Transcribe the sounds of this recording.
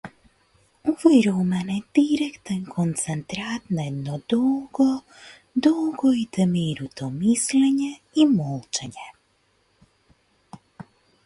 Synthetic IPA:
ovojɾumaned̪̥iɾekt̪ənkʰont̪sɛnt̪ɾat̪najed̪nod̪oɡo | d̪oɡoit̪emiɾut̪omisleɲe | imolˠt͡ʃeɲe

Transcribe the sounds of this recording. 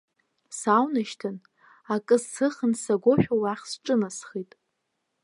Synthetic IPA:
sawnaʃtʰɨn | akʼɨzsɨχənsaɡʷoʃᶣowaχʲsʈ͡ʂʼɨnasχitʼ

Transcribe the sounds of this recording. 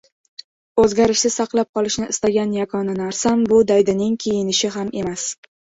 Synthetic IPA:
ɵzɡʲaɾɪʃsɪsaqlˠap̚qʰɒlˠɪʃnɪɪst̪aɡʲanjakʰɒnɪnaɾsambʊd̪ajd̪ɪnɪŋkʲʰejɪnɪʃɪɦame̞mas

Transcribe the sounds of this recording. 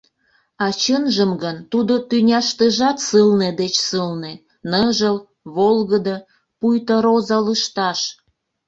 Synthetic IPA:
ɑt͡ɕənʒəmɡənt̪ud̪ot̪ynʲɑʃt̪eʒɑt̪sɨlned̪et͡ɕsɨlne | nɤʒəl | βolɣəd̪ə | pujt̪əɾozɑləʃt̪ɑʃ

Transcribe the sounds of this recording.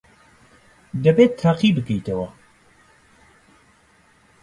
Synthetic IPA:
d̪ɐbeːt̪ʰːaːqiːbɨkɛjt̪ʰɐwɐ

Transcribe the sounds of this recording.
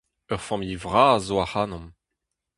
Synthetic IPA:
œʁfãmivʁaːzoaχaːnɔ̃m

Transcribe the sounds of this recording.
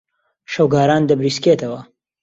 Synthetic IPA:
ʃɐwɡaːɾaːnd̪ɐbɾiːsket̪ʰɐwɐ

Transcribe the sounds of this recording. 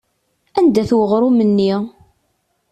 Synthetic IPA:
ænd̪æθwəʁɾˤumənːi

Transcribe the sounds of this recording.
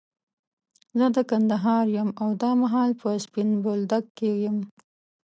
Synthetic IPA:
zəd̪əkand̪aɦɑɾjamawd̪ɑmaɦɑlpʰəspɪnbold̪akːejam

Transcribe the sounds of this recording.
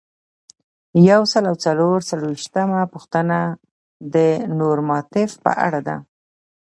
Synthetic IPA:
jawsəlawt͡saloɾt͡salowiʃt̪amapuxt̪əna | d̪ənoɾmɑt̪ɪfpə̰ʔa̰ɽad̪a̰

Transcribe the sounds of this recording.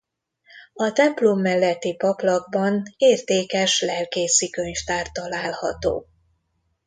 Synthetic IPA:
ɒt̪ɛmplomːɛlːɛt̪ːipɒplɒɡ̚bɒneːrt̪eːkɛʃlɛlkeːsikøɲft̪aːrt̪ːɒlaːlhɒt̪o̰ː

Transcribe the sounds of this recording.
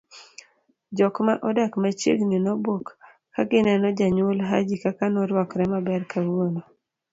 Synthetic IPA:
d͡ʒɔkmaʔɔdakmat͡ʃḛɡninɔbokː | aɡɪnɛnɔd͡ʒaɲwolɦa̰d͡ʒikakanɔɾwɔkɾɛmabɛrkawono

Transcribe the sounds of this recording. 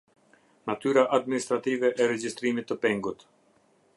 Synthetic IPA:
nat̪yɾaʔad̪minist̪ɾat̪ivɛʔɛɾɛd͡ʒist̪ɾimit̪ːəpɛŋɡut̪

